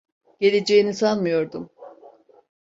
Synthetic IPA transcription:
ɟ̥e̞lʲe̞d͡ʒejinisanˠmɯjo̞ɾd̪um

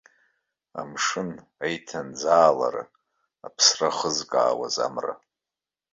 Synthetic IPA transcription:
a̰mʂɨn | ajtʰand͡zaːla̰ɾa̰ | apʰsraχəzkʼa̰ːwaza̰mra̰

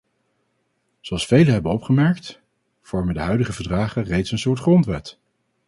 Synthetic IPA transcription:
zowɑlˠsfejləɦɛbənɔpχəmɛɹkt | v̥ɔɹməndəɦœɥdəχəvəɹdraːχərejtsənsʊːɹtχrɔntʋɛt

